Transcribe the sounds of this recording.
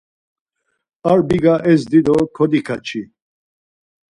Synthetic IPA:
aɾbiɡaʔɛzd̪id̪ɔkʰɔd̪ikʰat͡ʃʰi

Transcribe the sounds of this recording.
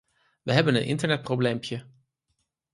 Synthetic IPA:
ʋəɦɛbənənʔɪ̰ntəɹnɛt̚prowblejmpʰjə

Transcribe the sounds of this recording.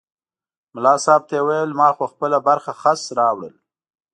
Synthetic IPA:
mʊlɑsɑːb̚t̪ajewajəlmɑxoxpəlabaɾxaxasɾɑwɽə̰l

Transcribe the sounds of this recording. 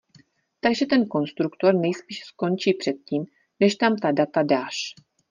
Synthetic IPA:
t̪aɡʒɛt̪ɛnko̞nst̪ɾukt̪o̞ɾnɛjspiːʃsko̞nt͡ʃiːpr̝̥ɛt̪̚ciːm | nɛʃt̪amt̪adat̪adaːʃ

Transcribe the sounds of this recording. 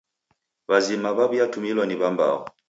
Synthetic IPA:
βazimaβaβjatumilɔniβamba̰ɔ̰

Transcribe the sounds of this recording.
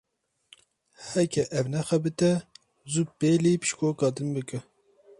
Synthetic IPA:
hɛkʰɛʔɛvnɛxɛbɨt̪ɛ | zupeːlipɨ̥ʃkoːkɑːd̪ɨnbɨkɨ

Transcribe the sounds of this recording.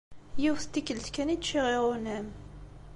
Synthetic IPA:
jiwθt̪ːikːəlt̪kːænid̪ʃiʁeʁonæm

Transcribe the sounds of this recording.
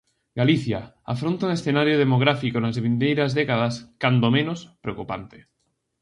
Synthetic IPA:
ɡaliθja | a̰fɾont̪aũŋesθenaɾjoð̞emoɣ̞ɾafikonazβind̪ejɾazðekaðaskand̪omẽnospɾeo̰kupa̰nt̪e̥

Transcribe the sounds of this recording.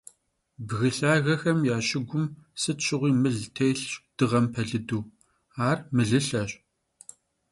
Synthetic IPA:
bɣɨɬaːɣɐxɐmjaːɕɪɡʷʊmsɨtɕɪʁʷiːmɨɮtʰejɬd̥ɨʁɐmpʰɐɮɨduː | aːrmɨɮɨɬɐɕʼ

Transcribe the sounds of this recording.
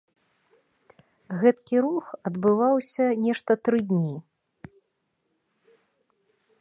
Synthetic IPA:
ɣɛt̪kʲiɾuxɐd̪bɨvawsʲɐnʲɛʂt̪ɐt̪ɾɨd̪ʲnʲi

